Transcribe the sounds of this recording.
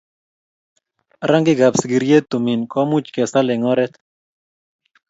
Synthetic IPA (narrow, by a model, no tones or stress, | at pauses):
ɾaŋɡiɡapsɡiɾjet̪ːuminkɔmut͡ʃkɛsaleŋɔɾɛt̪